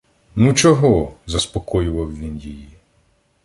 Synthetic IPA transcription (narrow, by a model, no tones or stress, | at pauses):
nut͡ʃɔɦɔzɐspɔkɔjʊʋɐwʋʲinjiji